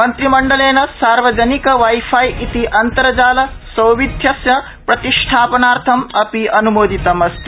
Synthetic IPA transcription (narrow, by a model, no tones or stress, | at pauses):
mɐnt̪ɾimɐɳɖɐleːnɐsaːɾʋɐd͡ʒɐnikɐʋajpʰajʔit̪iʔɐnt̪ɐɾɐd͡ʒaːlɐsɐwʋid̪ʱjɐsjɐ | pɾɐt̪iʂʈʰaːpɐnaːɾt̪ʰɐmɐpiɐnumoːd̪ʱit̪ɐmɐst̪i